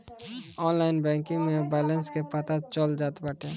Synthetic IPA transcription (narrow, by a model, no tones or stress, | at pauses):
ɔːnlaːɪnbɛ̃ːkɪ̃ŋɡmẽbɛːlə̃nskepət̪at͡ʃəld͡ʒaːt̪baːʈʰeː